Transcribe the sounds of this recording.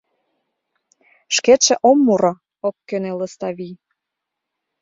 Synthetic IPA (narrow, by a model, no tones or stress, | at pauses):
ʃket̪ʃĕʔomːuɾo | op̚kønelə̆st̪ɑβij